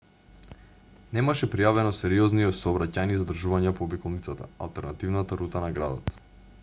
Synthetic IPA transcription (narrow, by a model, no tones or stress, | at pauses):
nɛmaʃɛpɾijavɛnɔsɛɾiɔzniɔsɔːbɾacanizad̪r̩ʒuvaɲɛpoːbikɔlˠnit̪sat̪a̰a̰lˠt̪ɛɾnat̪ivnat̪aɾut̪anaɡɾa̰d̪ɔt̪